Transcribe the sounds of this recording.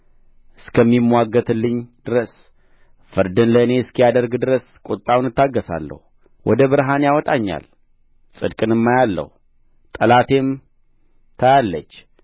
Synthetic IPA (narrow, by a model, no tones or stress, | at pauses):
ʔɨskʰəmːimːwaɡːət̪ʰɨlːɨɲːd̪̥ɨɾəs | fɨɾd̪ɨnləɨne̞skijad̪əɾɡd̪ɨɾəskʼot̪ʼːawnɨt̪ːaɡːəsa̰lːə̰hu | wʔɔ̰d̪əβɨɾɦanjawɔt̪ʼaɲːa̰l | sʼɨd̪kʼɨnɨmːajalːə̰hu | t̪ʼəlat̪e̞m | t̪ʰəjalːə̰t͡ʃː